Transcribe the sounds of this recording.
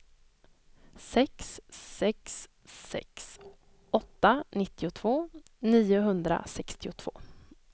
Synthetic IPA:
sɛksːɛksː | ɛ̰ks | ʔɔt̪ːanɪt̪ːɪʊt̪ʰvoːniːʊɦɵnd̪ɾa̰sɛkst̪ɪʊt̪ʰv̥o̰ː

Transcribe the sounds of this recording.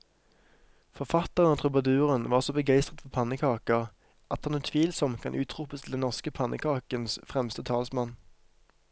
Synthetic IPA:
fɔʁfɑt̪əʁənoːt̪ʰʁʊbɑd̪ʉːʁənʋɑːʁsoːbəɡæɪst̪ʁət̪fɔʁpʰɑnəkʰɑːkəʁ | ʔɑt̪hɑnoːt̪ʰʋiːlsɔmkʰɑnʔʉːt̪ʁʊpəst̪ʰɪld̪ɛnɔʁskəpʰɑnʔə̰kʰɑːkənsfʁɛmst̪ət̪ʰɑːlsmɑn

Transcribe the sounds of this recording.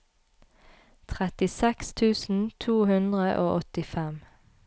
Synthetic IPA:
t̪ʰʁɛt̪ɪsɛkst̪ʰʉːsn̩t̪ʰuːhʉnd̪ʁəʔoːʔɔt̪ɪfɛm

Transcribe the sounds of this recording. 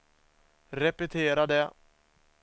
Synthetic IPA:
ɾɛpɛt̪ʰeːɾad̪ɛ

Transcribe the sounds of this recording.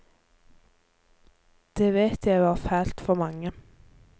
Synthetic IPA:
d̪̥eːʋeːt̪jæɪʋɑːʁfæːlt̪fɔʁmɑŋːə

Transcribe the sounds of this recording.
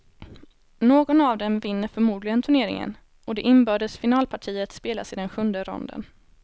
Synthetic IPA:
noːɡɔnavd̪ɛmvɪnːəɾfœɾmuːd̪lɪɡənt̪ʰɵɳeːɾɪ̰ŋə̰n | ʔɔd̪ɛʔɪnbœːɖəsfɪnɑːlpʰaʈʰiːət̪speːla̰sɪd̪ɛnɧɵnd̪əɾɔ̰nd̪ə̰n

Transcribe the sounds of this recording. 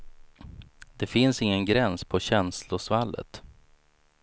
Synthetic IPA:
d̪̥ɛfɪnsɪŋːənɡɾɛnspʰɔɕɛnslʊsvalːə̰t̪

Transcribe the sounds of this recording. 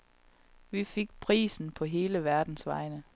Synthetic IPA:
ʋife̝ɡ̥̚pʰʁḭːsn̩pʰɒ̽ɦe̝ːləʋæɐd̥n̩sʋɑ̈ɪnə

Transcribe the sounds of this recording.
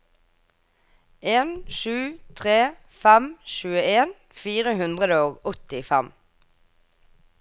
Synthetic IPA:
eːnʃʉːt̪ʰʁeː | fæmʃʉːəeːn | fiːʁəhʉnd̪ʁəd̪əoːɡɔt̪ɪfæm

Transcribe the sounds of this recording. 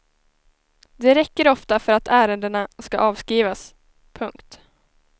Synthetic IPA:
d̪ɛɾɛkːəɾɔft̪afœɾat̪ʰæːɾənd̪əɳaskaʔɑːvskiːvas | pʰɵŋkt̪

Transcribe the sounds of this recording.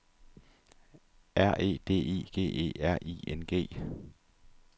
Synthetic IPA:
ʔæɐ̰ʔe̝̰ːd̥e̝̰ːḭːɡ̥e̝̰ːe̝̰ːæɐ̰ʔḭːenɡ̥e̝̰ː

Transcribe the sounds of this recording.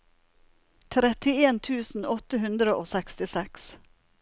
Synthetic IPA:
t̪ʰɾɛt̪ɪeːnt̪ʰʉːsn̩ɔt̪əhʉnd̪ɾəʔoːsɛkst̪ɪsɛks

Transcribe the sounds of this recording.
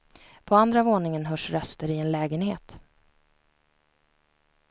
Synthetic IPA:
pʰɔand̪ɾavoːnɪŋənɦœʂɾœst̪əɾɪɛnlɛːɡənhḛːt̪

